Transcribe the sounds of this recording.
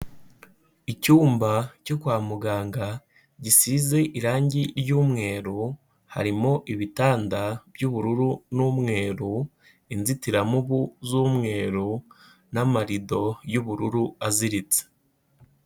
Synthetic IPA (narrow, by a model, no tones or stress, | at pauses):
icuːmbacokwaːmuɡaːŋɡa | ɟisize̞ʔiɾaːɲɟiɾɟuːmŋe̞ːɾu | ha̰ɾimo̞ʔiβitaːndab̥juβuɾuɾunumŋe̞ːɾu | inzitiɾamuβuzumŋe̞ːɾu | namaɾido̞juβuɾuɾuaziɾit͡se̥